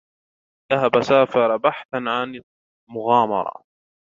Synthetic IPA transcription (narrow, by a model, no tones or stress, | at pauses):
ðaɦabasaːfɑɾˤɑbaħθanʕan | mʊɣɑːmɑ̰ɾˤɑ̰